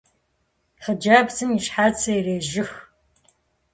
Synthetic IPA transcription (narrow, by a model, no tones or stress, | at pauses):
χəd͡ʒaːbzɨmiʂħaːt͡sʰɐjreːʒɪx